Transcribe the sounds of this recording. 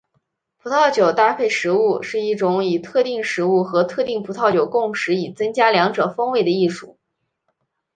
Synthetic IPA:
pʰu˧˥t̪ʰɑ˥˩ʊt͡ɕjo˨˩ʊt̪a˥˧pʰe˥˩ɪʂɻ̩˧˥u˥˧ʂɻ̩˥˧i˥˩ʈ͡ʂʊ˧˥ŋi˨˩t̪ʰɤ˥˧t̪i˥˩ŋʂɻ̩˧˥u˥˩xɤ˧˥t̪ʰɤ˥˧t̪i˥˩ŋpʰu˧˥t̪ʰɑ˥˩ʊt͡ɕjo˨˩ʊkʊ˥˩ŋʂɻ̩˧˥i˨˩t͡sɤ˥ŋt͡ɕja˥ljɑ˧˥ŋʈ͡ʂɤ˨˩fɤ˥ŋwe˥˩ɪd̪ə˩i˥˩ʂṵ˥˩˦

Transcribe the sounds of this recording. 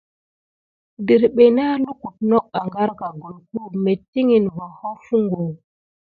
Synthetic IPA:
di˨ɾɓe˨na˦lo˦ku˨t̚nɔ˦k̚a˨ŋɡa˦ɾka˨ɡo˨lku˦me˨ti˦ŋi˨nvo˨hɔ˦fu˦ŋɡo˨

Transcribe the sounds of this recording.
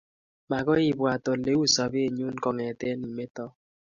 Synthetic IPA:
ma˨kɔ˦i˦˨bwa˨tɔ˨le˦wu˦sa˨be˦e˨ɲu˦nkɔ˨ŋɛ˨tɛ˦ni˨me˦tɔ˦

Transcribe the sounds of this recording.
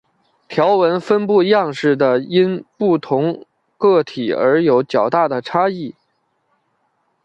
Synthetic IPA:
t̪ʰjɑ˧˥ʊwə˧˥nfə˥npu˥˧jɑ˥˧ŋʂɻ̩˥˩d̪ə˩i˥npu˥˩t̪ʰʊ˧˥ŋ | kɤ˥˩t̪ʰi˨˩ə̰˞˧˥jo˧˥ʊt͡ɕjɑ˨˩ʊt̪a˥˩d̪ə˩ʈ͡ʂʰa˥i˥˩

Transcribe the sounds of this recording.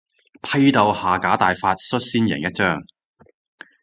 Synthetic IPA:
pʰɐ˥jt̪ɐ˨˧whaː˨kaː˨˥t̪aː˨jfaː˧t̚sɵ˥t̚siː˥njɪ̰˨˩ŋjɐ˥t̚t͡ʃœː˥ŋ

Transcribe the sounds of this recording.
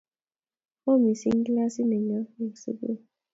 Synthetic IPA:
o˦mi˨si˦ŋ̩˦ɡla˦si˦ne˨ɲa˦e˨so̰˦bo̰˦˨

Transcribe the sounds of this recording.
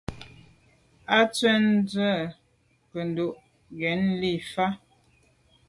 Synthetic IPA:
a˦t͡swɛ˦n˦d͡zwə˦˨ | kə˨n˨do˦˨ʔ | ɡɛ˨˦n˦li˦˨fa˦

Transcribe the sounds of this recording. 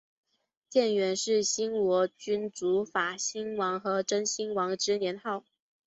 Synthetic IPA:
t͡ɕjɛ˥˩nɥɛ˧˥nʂɻ̩˥˩ɕi˥nwɔ˧˥t͡ɕy˥nt͡su˧˥fa˨˩ɕi˥ŋwɑ˧˥ŋxɤ˧˥ʈ͡ʂə˥ŋɕi˥ŋwɑ˧˥ŋʈ͡ʂɻ̩˥njɛ˧˥nxɑ˥˩ʊ

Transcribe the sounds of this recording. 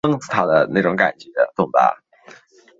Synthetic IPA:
ɤ˥ŋt͡s̩˨˩t̪ʰa˥d̪ə˧ne˥˩ɪʈ͡ʂʊ˧˥ŋka̰˨˩nt͡ɕɥɛ˧˥d̪ə̰˧t͡sʊ˥˩ŋp̪a̰˥˩

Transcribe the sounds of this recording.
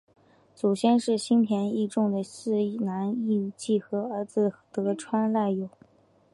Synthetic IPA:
t͡so˨˩ʊɕjɛ˥nʂɻ̩˥˩ɕi˥npʰjɛ˧˥ni˥˧ʈ͡ʂʊ˥˩ŋd̪ə˩ɕ̩˥˧na˧˥ni˥˧t͡ɕi˥˩xɤ˧˥ə˞˧˥d͡zɹ̩˧t̪ɤ˧˥ʈ͡ʂʰwa˥nla˥˩ɪjo˨˩˦ʊ

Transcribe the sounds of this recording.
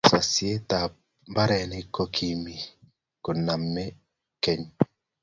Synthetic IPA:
sa˨sɪe˦t̪a˨ | ba˦ɾɛ˨nɪ˦ko˦kʰi˨mi˨ | kʊ˨nːa˨mːɛ˦ | kɛ˦ɲ

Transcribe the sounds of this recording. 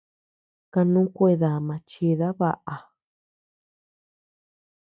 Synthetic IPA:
ka˧nũ˦kʷe˦˧˨ða˨mã˧t͡ʃi˧ða˦βa˧ʔa˨

